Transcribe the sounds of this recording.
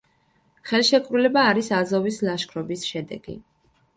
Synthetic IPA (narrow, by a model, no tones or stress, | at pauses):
χɛlˠʃɛkʼvɾulɛbaːɾisazɔvislˠaʃkʰɾɔbisʃɛd̪ɛ̰ɡḭ